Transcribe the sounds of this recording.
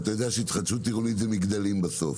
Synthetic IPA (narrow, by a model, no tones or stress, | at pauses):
t̪ajo̞d̪eaʃeit̪χad̪ʃut̪ːiʁonit̪vemiɡd̪alimbaso̞̰f